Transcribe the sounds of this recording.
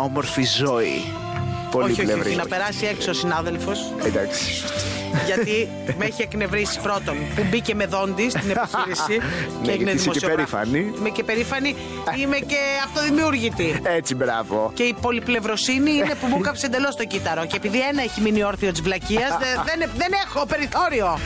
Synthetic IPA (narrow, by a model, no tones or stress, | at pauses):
omoɾfizoḭ | pooliçolvɾiinɐpe̞ɾɐsie̞ksiosinɐðe̞lfo̞s | d̪aks | ʝɐt̪i | meçiekne̞vɾisi̥pɾo̞t̪o̞npubice̞me̞ðo̞nd̪ist̪ineiçiɾissieineðimosioɾifɐ̰niimecepe̞ɾifɐni | imece̞ɐft̪o̞ðimiuɾʝit̪iet͡sibɾɐ̰vo̰ce̞ipo̞liple̞vɾo̞siniinepumukɐpose̞nd̪elo̞st̪o̞cit̪ɐɾo̞cepiðienɐeçiminio̞ɾθiot̪izvlɐciɐzðenðenexo̞pe̞ɾiθo̞ɾio̞